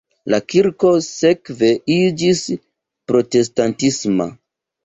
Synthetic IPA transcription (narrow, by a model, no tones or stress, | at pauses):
lakiɾko̞se̞kve̞id͡ʒis | pɾo̞te̞s̬tantisma̰